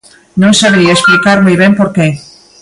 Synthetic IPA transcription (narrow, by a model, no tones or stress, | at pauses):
nõŋsaβeɾiaesplikaɾmojβempoɾke